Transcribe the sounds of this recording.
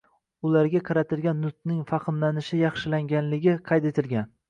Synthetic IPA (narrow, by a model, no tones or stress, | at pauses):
ʊlaɾɡʲaqʰɑɾat̪ʰɪlɡʲanːʊt̪nɪŋfɑqʰɨnlanɪʃɪjɑχʃɪlaŋɡʲanlɪɡʲɪqʰɑjt̪e̞t̪ʰɪlɡʲan